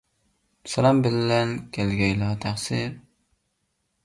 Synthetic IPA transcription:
sɛlɑmbɪlːɛnkʲʰɛlɡʲɛjlɑt̪ʰæχsɪɾ

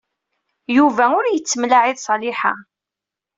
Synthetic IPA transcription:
juvæʊɾjət͡sːmlaʕiðsˤɑlɪħa̰

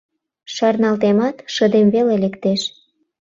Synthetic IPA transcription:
ʃɑrnɑlt̪emɑt̪ʃəd̪emvelelekt̪eʃ

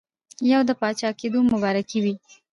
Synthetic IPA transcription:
jawd̪əpɑt͡ʃɑked̪omʊbɑɾakiwi

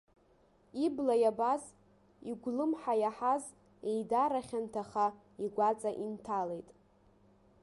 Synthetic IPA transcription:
iblajabaz | iɡʷlɨmħajaħaz | ejdaɾaχʲantʰaχa | iɡʷat͡sʼaʔintʰale̞jtʼ

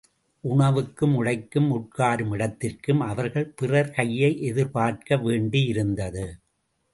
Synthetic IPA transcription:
ʔʊɳɐʋɯkːɯmʊɽɐɪkːɯmʊʈ̚kaːɾɯmɪɽɐt̪ːɪrkɯmɐʋɐɾɣɐɭpɪrɐɾkɐjːɐɪʔɛðɪɾpaːrkɐʋeːɳɖijɪɾɯnd̪ɐðɯ

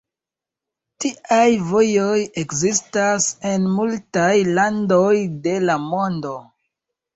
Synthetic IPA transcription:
tiajvo̞jo̞je̞kzistase̞nmultajlando̞jde̞lamo̞ndo̞

